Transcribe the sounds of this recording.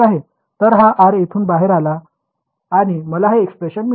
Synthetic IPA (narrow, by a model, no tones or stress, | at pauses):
aɦe | t̪əɾɦaʔaɾet̪ʰuːnbaɦeɾalaː | ɽ̃iməlaɦaekspɾeɕənmi